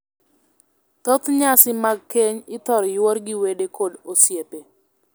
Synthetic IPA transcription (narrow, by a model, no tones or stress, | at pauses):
t̪ɔt̪ɲasɪmaɡ̚keɲɪt̪ɔɾjwɔrɡɪwedekʰodosjepe